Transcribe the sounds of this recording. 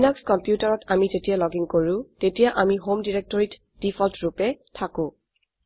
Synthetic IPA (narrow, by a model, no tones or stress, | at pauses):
inakskɔmpjutaɹɔtamizetijalɔɡiŋkoɹʊ̃tetijaʔamiɦomdiɹek̚tɔɹit | d̥ipʰɔltɹupɛtʰakʊ̃